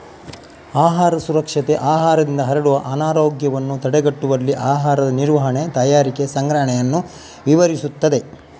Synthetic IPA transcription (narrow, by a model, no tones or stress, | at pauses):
aːɦaːɾɐsuɾɐkʂɐt̪e̞ʔaːɦaːɾɐd̪ind̪ɐɦɐɾɐɽuʋɐʔɐnaːɾoːɡjɐʋɐnːut̪ɐɽeɡɐʈːuʋɐlːiʔaːɦaːɾɐd̪ɐniɾʋɐɦɐɳe̞t̪ɐjaːɾike̞sɐŋɡɾɐɦɐɳɛjɐnːu | ʋiʋɐɾisut̪ːɐd̪e̞